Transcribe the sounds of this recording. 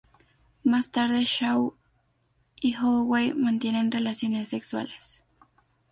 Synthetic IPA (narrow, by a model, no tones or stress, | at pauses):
mast̪aɾðeʃaw | ixowejmant̪jenenrelasjo̞nesːekswa̰les